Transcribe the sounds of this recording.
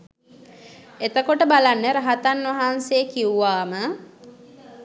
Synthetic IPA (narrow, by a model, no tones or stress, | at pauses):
et̪əkoʈəbalanːəɾaɦat̪anːʋaɦansekiuʋaːmə